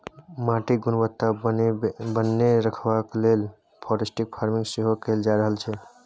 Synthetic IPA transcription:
mãʈiɡunʋət̪ːa | bənːeɾəkʰbaklel | pʰɔɾesʈik̚pʰaɾmiŋɡseɦokeld͡ʒaɾəɦəlt͡ʃʰɛ

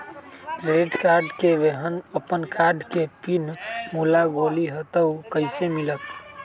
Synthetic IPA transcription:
ɾeɖkaɾɖkeʋeɦənəpənkʰaɾɖkepinmulaɡoliɦət̪əʊkəɪsemilək

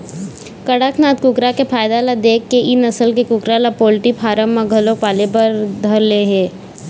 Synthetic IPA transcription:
kəɽaːkʰnaːt̪̚kʊkɾakepʰaːjd̪alad̪eːkːeʔɪnɐsəlkekʊkɾalapoːlʈipʰaːɾəmːãɡʱɐlopaːlepəɾd̪ʱɐɾleɦeː

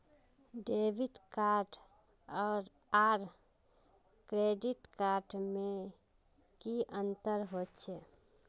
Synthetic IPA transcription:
ɖeːʋɪʈkaːɾʈ | ɔːɾ | aːɾ | kɾeːɖɪʈkaːɾʈmẽ | kiʔə̃nt̪əɾɦoːt̪t͡ʃʰeː

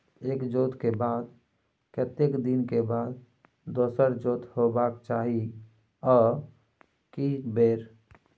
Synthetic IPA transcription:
eːkd͡ʒoːt̪kebaːd̪̚ | kət̪ekd̪inkebaːd̪ː | oːsəɾd͡ʒoːt̪hobaːkt͡ʃaːɦi | ɔː | kibeːɾ

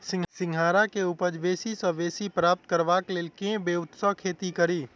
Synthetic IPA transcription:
sɪ̃ŋsɪ̃ŋɡʱaːɾakeʊpəd͡ʒʋeːsisə̃ʋeːsipɾaːp̚t̪kəɾʋaːkleːlkẽbeːʊt̪səɦkʰeːt̪ikəɾiː

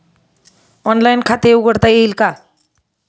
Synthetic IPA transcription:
ɔnlajnkʰat̪euɡəɽt̪ajeilka

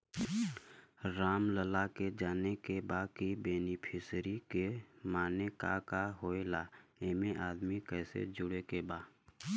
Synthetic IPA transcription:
ɾaːmləlaked͡ʒaːnekebaːkibeːnipʰɪsɾikemaːnekakaɦoːelaːeːmeʔaːd̪mikɛːsḛd͡ʒʊɽekebaː

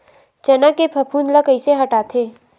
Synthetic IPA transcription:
t͡ʃɐnakepʰɐpʰuːnləkəiseɦɐʈaːt̪ʰeː

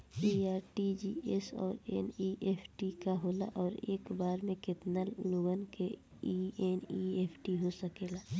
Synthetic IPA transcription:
iːaːɾʈid͡ʒiːesɔ̰ːɾḛniʔeːpʰʈikaɦoːla̰ʔɔːɾḛːkbaːɾmẽkɪt̪naloːɡənke | ieːnieːpʰʈiɦosəkeːlaː

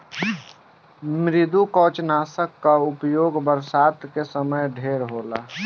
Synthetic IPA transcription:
mɾɪd̪ukɔːt͡ʃnaːsəkːaʊpjoːɡbəɾsaːt̪kesəməjɖʱeːɾɦoːla̰ː

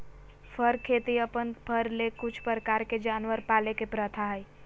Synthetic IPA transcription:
pʰəɾkʰeːt̪iəpənpʰəɾlekʊt͡ʃʰpɾəkaːɾked͡ʒaːnʋəɾpaːlekepɾət̪ʰaɦəj

